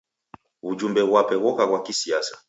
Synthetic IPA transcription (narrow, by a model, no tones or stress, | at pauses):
ud͡ʒumbɛβwapɛɣɔkaɣwakisiasḁ